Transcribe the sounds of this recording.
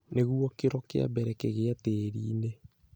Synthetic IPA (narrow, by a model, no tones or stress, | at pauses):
neɣuɔkeɾɔkḛa̰bɛɾɛkeɣeateːɾiːne